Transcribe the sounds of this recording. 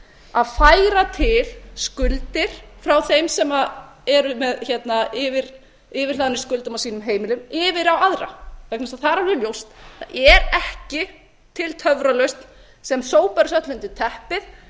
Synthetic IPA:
aðfaːjɾat̪ʰɪlskʏlt̪ɪɾ̥fɾawθejmsɛma | ɛɾʏmɛðçɛt̪naɪvɪɾ | ɪvɪɾ̥aðnɪ̥skʏlt̪amawsiːnʏmɦeːjmɪlʏmɪvɪɾawaðɾa̰vɛknasaθaɾaɾɪljowst̪aɛɾɛhcɪ | t̪ʰɪlt̪ʰœvɾalœɥst̪n | sɛmsoːwpaɾɪsœht̪lʏnt̪ɪt̪ʰɛhpɪθ

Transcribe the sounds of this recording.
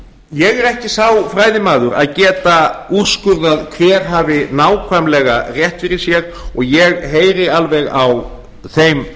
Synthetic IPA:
jɛɣɛɾɛhcɪsaːwfɾaːjðɪmaːðʏɾa̰ðcɛːt̪aur̥skʏɾðaðkʰvɛːɾ̥ɦaːvɪnaːwkʰvajmlɛːɣarjɛht̪fɪɾɪɾ̥sjɛɣɔɣjɛɣɦeːjɾɪalvɛɣaw | θejm

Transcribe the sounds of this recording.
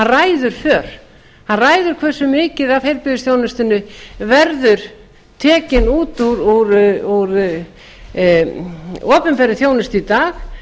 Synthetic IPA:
araːjðʏɾ̥fœːɾ̥ | hanraːjðʏɾ̥kʰvɛr̥sʏmɪːcɪðavfejɾlpɪðʏsθjoːwnɪst̪ɪnːʏvɛɾðʏɾ̥ | t̪ʰɛːcɪnuːt̪uɾuɾuɾ | ɔːpʏnpɛɾɪθjoːwnɪst̪it̪aːx

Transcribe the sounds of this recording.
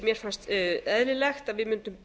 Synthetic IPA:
mjɛɾ̥fanst̪ɛðlɪlɛxt̪aðvɪðmʏnt̪ʏm

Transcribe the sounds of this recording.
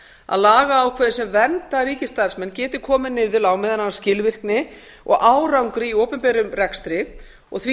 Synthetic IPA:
a̰ðlaːɣaːwkʰvɛːðɪ̥sɛmvɛnt̪aɾiːcɪst̪aɾsmɛncɛːt̪ɪɾkʰɔːmɪnɪːðʏlawmɪːðananːascɪlvɪr̥knɪ | ɔ̰ɣʔaːwɾawŋkɾɪioːwpʏmpɛːɾʏmrɛkst̪ɾɪ | ɔ̰ɣθvi

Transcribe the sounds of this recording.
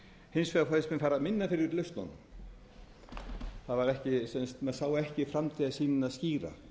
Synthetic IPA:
hɪnsfɛðafɔɪspmɪnfaːɾaðmɪnːafɪɾɪɾlœɥst̪nɔ̰nːʏm | θaðvaɾɛhcɪsɛnst̪mɛsaːwaɛhcɪfɾamt̪ʰiːðasiːnɪnaðsciːɾa̰

